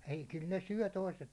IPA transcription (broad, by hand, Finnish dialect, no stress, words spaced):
ei kyl ne syø̞ toiset